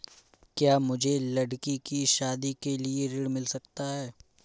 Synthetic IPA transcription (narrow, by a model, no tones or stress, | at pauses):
kjaːmʊd͡ʒʱelɐɽkikiʃaːd̪ikelieɾɪɽmɪlsɐkt̪aɦɛː